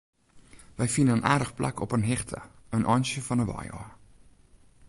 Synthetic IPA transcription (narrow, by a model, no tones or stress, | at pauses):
vəjfindənənʔaːrdəχplʔa̰kɔpənɦɛχtʰə̰ənʔɑnʃəfɑnəvɑ̰jɑ̰ː